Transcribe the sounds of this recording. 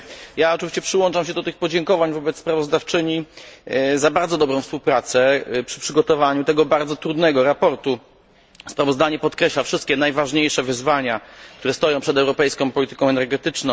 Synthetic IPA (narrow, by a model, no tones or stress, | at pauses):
jaɔt͡ʂɛvʲiɕt͡ɕɛpʂɘwɔnt͡ʂamɕɛd̪ɔt̪ɘxpɔd͡ʑɛŋkɔvaɲvɔbɛt̪spɾavɔzd̪aft͡ʂɘɲi | zabaɾd̪zɔd̪ɔbɾɔ̃w̃fspuwpɾat̪sɛpʂɘ̥pʂɘɡɔt̪ɔvaɲut̪ɛɡɔbaɾd̪zɔt̪ɾud̪nɛɡɔɾapɔɾt̪u | spɾavɔzd̪aɲɛpɔt̪kɾɛɕlafʂɘst̪̚kʲɛnajvaʐɲejʂɛvɘzvaɲak̚t̪uɾɛst̪ɔjɔ̃ʂɛd̪ɛwɾɔpɛjskɔ̃w̃pɔlʲit̪ɘkɔ̃ɛnɛɾɡɛt̪ɘt͡ʂnɔ̃